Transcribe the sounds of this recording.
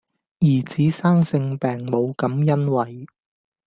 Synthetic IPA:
jiː˨˩t͡siː˨˥saː˥ŋsɪ˧ŋpɛː˨ŋmo˨˧wkɐ˨˥mjɐ˥nwɐ˨j

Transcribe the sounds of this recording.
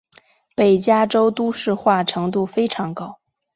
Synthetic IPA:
pe˨˩ɪt͡ɕja˥ʈ͡ʂo˥ʊt̪u˥ʂɻ̩˥˧xwa˥˩ʈ͡ʂʰɤ˧˥ŋt̪̬u˥˩fe˥ɪʈ͡ʂʰɑ˧˥ŋkɑ˥ʊ

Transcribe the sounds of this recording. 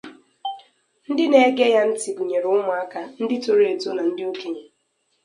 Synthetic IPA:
n̩˦dɪ˦ne˨e˦ɡe˦ja˦n̩˦tɪ˨ɡu˨ɲe˨ɾʊ˦mʊ˨a˦ka˦n̩˦dɪ˦to˨ɾe˨to˦na˨n̩˦dɪ˦o˦ke˦ɲe˨

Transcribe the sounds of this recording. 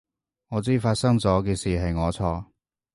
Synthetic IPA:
ŋɔː˨˧t͡siː˥faː˧t̚sɐ˥ŋt͡sɔː˨˥k̬ɛː˧siː˨ɦɐ˨jŋɔː˨˧t͡sʰɔː˧

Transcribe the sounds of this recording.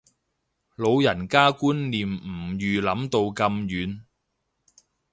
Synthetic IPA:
lo˨˧wjɐ˨˩nkaː˥kuː˥nliː˨m̩˨˩jyː˨lɐ˨˥mt̪o˧wkɐ˧mjyː˨˧n

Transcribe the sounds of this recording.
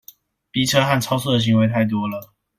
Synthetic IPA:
pi˥˩ʈ͡ʂʰɤ˦xa˥˨nʈ͡ʂʰɑ˥ʊs̬u˥˩də˩ɕ̬i˧˥ŋwe˧˥ɪt̪ʰa˥˩ɪt̪̬wɔ˥lə˨

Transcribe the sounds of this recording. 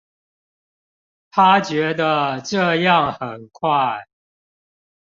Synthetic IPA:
t̪ʰa˦t͡ɕɥɛ˧˦˥d̪ə˨ʈ͡ʂə˥˧jɑ˥˨ŋxə˨˩nkʰwa˥˨˩ɪ

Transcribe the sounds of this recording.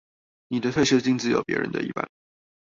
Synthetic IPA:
ni˨˩d̪ə˦t̪ʰɤ˥˧˩ɕə˥˧t͡ɕi˥˧ŋt͡sɹ̩˥˩jo˨˩ʊpjɛ̰˧˥ɻə̰˧˥nd̪ə̰˧ḭ˥˩pa̰˥˩n

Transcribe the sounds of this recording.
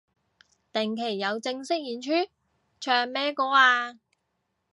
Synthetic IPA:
t̪ɛ˨˩ŋkʰe˨˩jːɐ˨˧wt͡sɪ˧ŋsɪ˥k̚jiː˨nt͡ʃʰyː˥ | t͡ʃʰœː˨˩ŋmɛː˥kɔː˧˥aː˧

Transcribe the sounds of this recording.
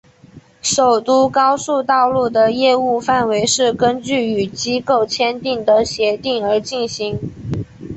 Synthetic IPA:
ʂo˨˩ʊt̪u˥kɑ˥ʊsu˥˧t̪ɑ˥˧ʊlu˥˩d̪ə˩jɛ˥˧u˥˧fa˥˩nwe˧˥ɪʂɻ̩˥˩kə˥nt͡ɕy˥˩y˨˩t͡ɕi˥ko˥˩ʊt͡ɕʰjɛ˥nt̪i˥˩ŋd̪ə˨ɕjɛ˧˥t̪i˥˩ŋə˞˧˥t͡ɕi˥˩nɕi˧˥ŋ

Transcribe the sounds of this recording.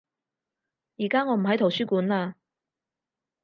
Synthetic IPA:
jiː˨˩kaː˥ŋɔː˨˧m̩˨˩ɦɐ˨˥jt̪ʰo˨˩wsyː˥kuː˨˥nlaː˧

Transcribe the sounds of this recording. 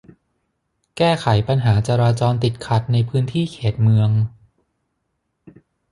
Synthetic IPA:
kɛː˥˩kʰa˩˦jpa˧nɦaː˩˦t͡ɕa˧ɾaː˧t͡ɕɔː˧nt̪i˨˩t̪̚kʰa˨˩t̪̚na˧jpʰɯː˦˥nt̪ʰiː˥˩kʰeː˨˩t̪̚mɯ˧əŋ

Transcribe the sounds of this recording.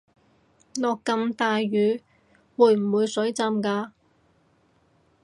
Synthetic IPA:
nɔː˨kːɐ˧mt̪aː˨˧jɥyː˨˧ | wuː˨˧jm̩˨˩wuː˨˧jsɵ˨˥ɥt͡sa˧mkaː˧

